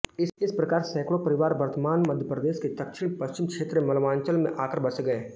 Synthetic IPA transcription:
ɪɪspɾɐkaːɾsɛ̃ːkɽopəɾɪʋaːɾʋɐɾt̪əmaːnmɐd̪ʱjəpɾəd̪eːsket̪ɐkʃɪɽ̃pəʃt͡ʃɪmkʃʰeːt̪ɾemɐlʋaːnt͡ʃəlmḛ̃ʔaːkəɾbɐseɡɐeː

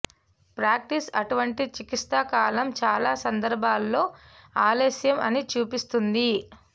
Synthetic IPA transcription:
pɾaːk̚ʈisɐʈuʋɐɳʈit͡ʃikist̪aːkaːlɐmt͡ʃaːlaːsɐnd̪ɐɾbʱaːlːo̞ː | aːleːsjɐmɐnit͡ʃuːpist̪und̪i

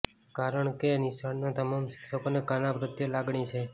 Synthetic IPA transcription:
kaɾəɳkenisʰaɳnat̪əmamʃi̥ksəkonekanabɾət̪jəlaɡɳit͡ʃʰe

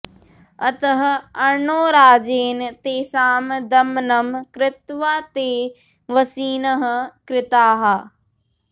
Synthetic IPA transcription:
ɐt̪ɐɦ̆ɐɾɳoːɾaːd͡ʑeːnt̪eːsaːmd̪ɐmnəmkɾɪt̪ʋaːt̪eː | ʋɐsiːnəɦ̆kɾɪt̪aːɦaː

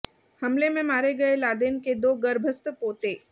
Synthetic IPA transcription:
hɐmlemẽmaːɾeɡɐelaːd̪eːnked̪oːɡɐɾbʱəst̪əpoːt̪eː

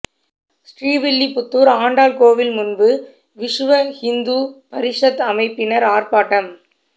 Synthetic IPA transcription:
sʈriːʋɪɭːipʊt̪ːuːɾaːɳɖaːlkoːʋɪlmʊnbɯ | ʋɪʂʋɐhɪnd̪uːpɐɾɪʂɐt̪ːɐmɐɪpːɪnɐɾaːrpaːʈːɐm

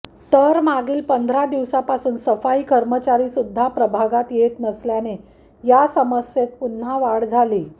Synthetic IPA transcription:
t̪əɾmaɡiːlpənd̪ʱɾad̪iʋsapasuːnsəfaikəɾmət͡ɕaɾisud̪ʱːapɾəbʱaɡat̪jet̪nəsljane | jasəməsjet̪̚pun̤ːaʋaɽd͡zʱaliː

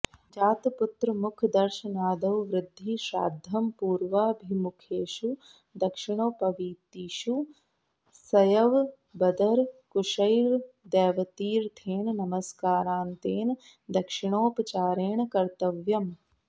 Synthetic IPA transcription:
d͡ʒaːt̪pʊt̪ɾəmʊkʰd̪ɐɾʃɐnaːd̪ɐʋʋɾɪd̪ʱːiʃa̰ːd̪ʱjɐmpuːɾʋaːbʱimʊkʰeːʃu | d̪ɐkʃɪɽ̃oːpɐʋiːt̪iːʃu | sɐjɐʋ | bɐd̪ɐɾkʊʃɐjɾ | d̪ɛːʋɐt̪iːɾt̪ʰeːɳ̃nɐməskaːɾaːnt̪eːn | d̪ɐkʃɪɽ̃oːpt͡ʃaːɾeːɳ̃kɐɾt̪ɐʋjɐm

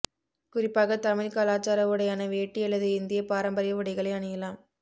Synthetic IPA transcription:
kʊrɪpːaːɣɐt̪ɐmɪlkaːlaːt͡ʃaːɾɐʋɯɽɐjaːnɐʋeːʈːiɐlːɐðɯɪnd̪ɪjɐpaːɾɐmbɐɾɪjɐʋɯɽɐɪɣɐɭɐɪɐɳɐjɐlaːm

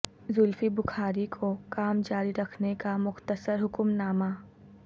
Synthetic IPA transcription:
zʊlfibʊxʰaːɾikʰokaːmd͡ʒaːɾiɾɐkʰnekamʊxt̪əsəɾɦʊkmnaːma

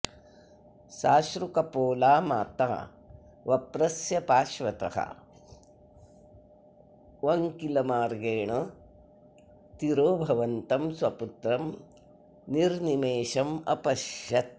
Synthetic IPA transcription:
ʃaːʃɾukɐpoːlaːma̰ːt̪a̰ː | ʋɐpɾɐsjɐpaːʃʋɐt̪ɐ̰hɐ̰ | ʋɐŋkilɐmaːɾɡeːɳɐ | t̪iɾoːbʱɐʋɐnt̪ɐmsʋɐput̪ɾɐm | niɾnimeːʃɐmɐ̰pɐʃjɐt̪̚

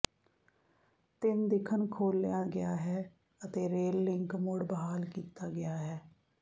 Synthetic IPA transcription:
t̪ɪnd̪ɪkʰənkʰoːlːjaːɡɪjaːɦɛː | ət̪eːɾeːlːɪŋkmʊɽbəɦaːlkiːt̪aːɡɪjaːɦɛː

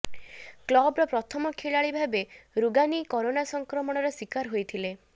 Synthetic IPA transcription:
klɔbɾɔpɾɔt̪ʰɔmɔkʰeɭaɭibʱabeɾuɡanikɔɾonasɔŋkɾɔmɔɽ̃ɔɾɔswikaɾɦojt̪ʰile

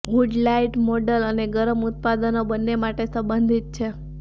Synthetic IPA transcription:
muɖlaiʈmoɖələneɡəɾəmʊt̪̚pad̪ənobənːemaʈesəbənd̪ʱit̪̚t͡ʃʰe

